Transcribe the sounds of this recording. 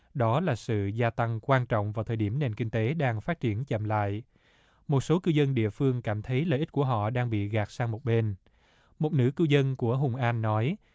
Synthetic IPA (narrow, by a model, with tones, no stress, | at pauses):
ɗɔ˨˦laː˨˩sɨ̰˧˨zaː˧t̪a˧ŋkwaː˧nt͡ɕɔ̰˧˨wŋ͡mvaː˨˩wt̪ʰəː˨˩jɗi˧˩əmne˨˩nkï˧ŋ̟t̪e˨˦ɗaː˧ŋfaː˦˥t̚t͡ɕi˧˩ənt͡ɕə̰˧˨mla̰ː˧˨j | mo˨˩t̚so˨˦kɨ˧zə˧nɗḭ˧˨əfɨ˧əŋkaː˧˩mt̪ʰə˨˦jlə̰ː˧˨ʔt̚ku˧˩əɦɔ̰˧˨ɗaː˧ŋɓḭ˧˨ɣaː˨˩k̚saː˧ŋmo˨˩ɓe˧n | mo˨˩t̚nɨ̰˧˥kɨ˧wzə˧nku˧˩əɦʊ˨˩ŋ͡mʔaː˧nːɔ˨˦j